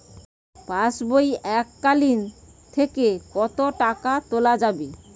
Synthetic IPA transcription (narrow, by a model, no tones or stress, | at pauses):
pasbojɛkːalin | t̪ʰekekɔt̪oʈakat̪olad͡ʑabe